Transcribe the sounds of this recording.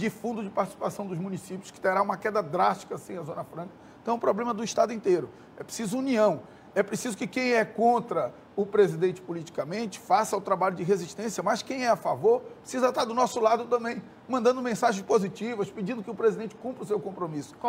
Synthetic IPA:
d͡ʒɪfũnd̪ʊd͡ʒɪpaɾt͡ʃɪ̥si̥pasɐ̃w̃d̪ʊzmũnisipʲjʊskɪ̥t̪eɾaũmɐkɛd̪ɐd̪ɾaʃt͡ʃi̥kɐasĩɐzõnɐfɾɐ̃kɐ̃ | t̪ɐ̃w̃ʊ̃pɾoblẽmɐd̪ʊiʃt̪ad̪ʊĩnt̪eɾʊ | ɛpɾe̥sizʊuniɐ̃w̃ | ɛpɾesizʊkɪkẽj̃ɛkõnt̪ɾɐ | ʊpɾezid̪ẽnt͡ʃɪ̥polit͡ʃi̥kɐmẽnt͡ʃɪ̥fasɐawt̪ɾabaʎʊd͡ʒɪɦeziʃt̪ẽsjɐmɐskẽj̃ɛafavoɾppɾesizɐt̪ad̪ʊnɔsʊlad̪ʊt̪ɐ̃mbẽj̃ | mɐ̃nd̪ɐ̃nd̪ʊmẽsaʒẽʃspozit͡ʃivɐspɪd͡ʒĩnd̪ʊkɪʊpɾezid̪ẽnt͡ʃɪ̥kũmpɾɪʊsewkõmpɾomisʊ̥

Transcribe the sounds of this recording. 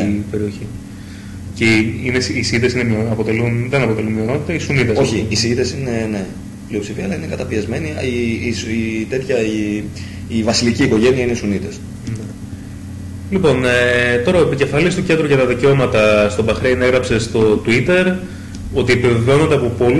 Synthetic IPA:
pe̞ɾio̞çi | ceinesisiit̪e̞sinemioɐpo̞t̪e̞lunðenɐpo̞t̪e̞lunmio̞no̞t̪i̥t̪ɐisunit̪esoçiisiiðe̞sinene̞ | plio̞psifiɐlɐinekɐt̪ɐpiɐzme̞niisit̪e̞t̪çɐi | ivɐsiliciːko̞ʝe̞niɐineisunit̪es | ne | lipo̞net̪o̞ɾɐoepice̞fɐlist̪oce̞nd̪ɾoʝɐt̪ɐðiceo̞mɐt̪ɐst̪o̞bɐxɾeneɣɾɐpse̞st̪o̞t̪uit̪e̞ɾ | o̞t̪iepiveveo̞nond̪eɐpopo̞l

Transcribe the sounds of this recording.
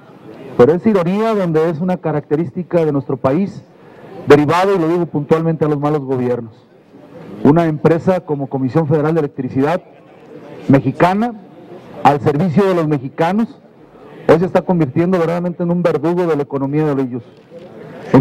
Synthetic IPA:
pe̞ɾoesiɾo̞niaðo̞nd̪e̞e̞sunakaɾak̚t̪e̞ɾist̪ikaðe̞nwe̞st̪ɾo̞pais | d̪e̞ɾiβaðoilo̞ðiɣo̞punt̪walment̪e̞alo̞zmalo̞zɣo̞βje̞ɾno̞s | unaempɾe̞sako̞mo̞ko̞misjo̞ɱfeðeɾald̪elek̚t̪ɾisiðað | me̞xikana | alse̞ɾβisjo̞ð̞e̞lo̞zme̞xikano̞s | ojs̬e̞st̪ako̞mbiɾt̪je̞nd̪o̞βeɾaðament̪eːnũmbe̞ɾðuɣoðe̞laeko̞no̞miaðeliʝos | e

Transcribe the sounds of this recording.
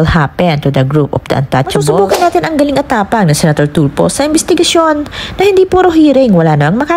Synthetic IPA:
lhapɛnt̪ud̪ɐɡɾupʔɔ̰fd̪ɐ̰ʔɐ̰nt̪at͡ʃɐuːbsʊbuːkɐnːaːt̪ɪnɐŋɡɐlɪŋɐt̪aːpɐŋnɐŋsɛnɐt̪oɹt̪ulpo̰sɐʔɪnbɛst̪ɪɡɐsjo̞nːɐhɪnd̪iːpuːɾoɦiːɾɪŋwɐlaːnɐmaŋmɐkaː

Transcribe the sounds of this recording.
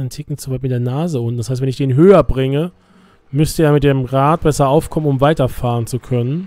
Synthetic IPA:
antʰɪk̚ŋ̩t͡suvaɪtmɪtdeːɐnaːzəʊntn̩d̥ashaɪstvɛnɪçd̥eːnɦøːɐbʁɪŋə | mʏstəeːɐmɪt̚d̥eːmʁaːt̚b̥ɛsɐaʊfkʰɔmənʊmvaɪtɐfaːʁənt͡sukʰœnən

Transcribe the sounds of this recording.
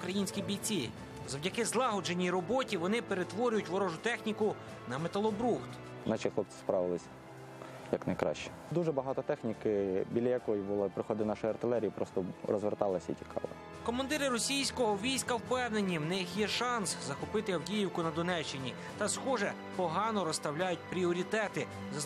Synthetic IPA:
ʊkɾɐjinʲsʲkʲibʲijt͡sʲi | zɐwdʲɐkɪzlˠɑɦɔd͡ʒenʲiɾɔbɔtʲiʋɔnɪpeɾet̪ʋɔɾʲʊjʊtʲʋɔɾɔʒʊt̪ɛxnʲikʊ | nɐmet̪ɐlˠɔbɾuxt̪ | nɑt͡ʃixlˠɔp̚sɪ̥spɾɑʋɪlˠɪsʲ | jɐknɐjkɾɑ̰ʃt͡ʃɛ̥ | d̪uʒɛbɐɦɑt̪ɔt̪ɛxnʲikɪbʲilʲɐjɐkɔjibʊlˠɔpɾɪxɔd̪ɪnɑʃʊjɐrt̪ɪlˠɛɾʲijipɾɔst̪ɔɾɔ̰zʋert̪ɑlˠɐsʲɐḭtʲi̥kʰɑ̰lˠɪ̰ | kɔmɐnd̪ɪɾɪɾɔsʲijsʲkɔɦɔʋʲijsʲkɐwpɛwnenʲiwnɪxjɛʃɑnszɐxʊpɪt̪ɪɐwdʲijɪwkʊnɐd̪ɔnɛt͡ʃːɪnʲi | t̪ɐsxɔʒɛ | pɔɦɑnɔɾɔst̪ɐwlʲajʊt̚ʲpɾʲiɔɾʲit̪ɛt̪ɪ | zɐ

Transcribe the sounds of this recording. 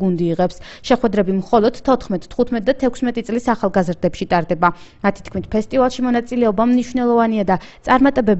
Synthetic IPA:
ɡund̪iːʁɛps | ʃɛχwɛd̪ɾɛbimχɔlˠɔd̪̥t̪ʰːɔt̪χmɛt̪ʼt̪ʰːχut̪ʰmɛt̪̚ʼd̪at̪ʰːɛkʷʰsmɛt̪ʼit̪sʼlisaχalˠɡazɾd̪ɛpʃit̪ʼaɾd̪ɛba | mat̪ʰi̥t̪kʰmit̪ʰpʰɛst̪ʼivalˠʃimɔnat̪sʼilɛɔbamniʃwnɛlˠɔvaniad̪at̪sʼaɾmat̪ʼɛbɛb

